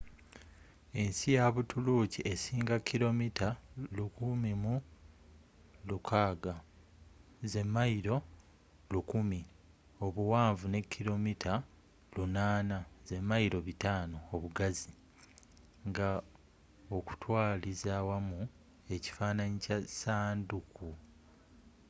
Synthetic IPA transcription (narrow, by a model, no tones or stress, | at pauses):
e̞nsijaβutuluciesiːŋɡakʰːilo̞mitalukumimu | lukʰaːɡa | ze̞mːaiɾo̞ | lukumi | o̞βuwaːɱvune̞kʰːilo̞mitʰa | lunaːnaze̞mːaiɾo̞βitaːno̞ːβuɡazi | ŋɡa | o̞ku̥twaːlizawamu | e̞ci̥faːnaɲicasaːnduku